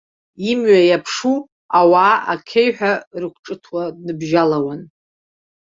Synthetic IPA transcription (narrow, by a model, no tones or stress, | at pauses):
imɥajapʰʂu | awaːʔa̰kʲʰejħʷᶣarɨkʷʰʈ͡ʂʼɨtʰwanɨbʒalawan